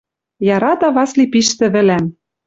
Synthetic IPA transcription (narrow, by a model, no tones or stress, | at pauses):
jɑɾɑt̪ɑβɑslipiʃt̪ɘ̆βɘ̆læm